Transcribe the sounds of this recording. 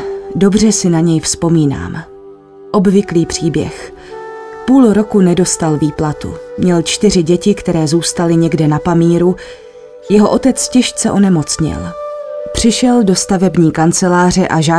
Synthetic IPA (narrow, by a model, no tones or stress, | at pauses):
do̞br̝ɛsɪnaɲɛjfspo̞miːna̰ːm | ʔo̞bvɪkliːpr̝̥iːbjɛ̰x | puːlɾo̞kunɛdo̞st̪alviːplat̪ṵmɲɛlt͡ʃt̪ɪr̝ɪɟɛcɪkt̪ɛɾɛːzuːst̪alɪɲɛɡdɛnapamiːɾu | jɛɦo̞ʔo̞t̪ɛt͡scɪʃt͡sɛʔo̞nɛmo̞t͡sɲɪ̰lpr̝̥ɪʃɛldo̞st̪avɛbɲiːkant͡sɛlaːr̝ɛʔaʒaː